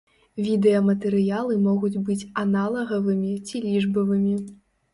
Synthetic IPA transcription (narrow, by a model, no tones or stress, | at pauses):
vʲid̪ɛɐmɐt̪ɛɾɨjalˠɨmɔɣud͡zʲbɨt͡sʲanalˠɐɣɐvɨmʲit͡sʲilʲiʐbɐvɨmʲi